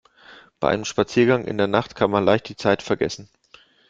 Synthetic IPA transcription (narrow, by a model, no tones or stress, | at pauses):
b̥aɪʔaɪnəmʃpat͡siːɐɡaŋʔɪ̰ndeːɐnaχtkʰanmanlaɪçt̚d̥iːt͡saɪtfɛɐɡɛ̰sn̩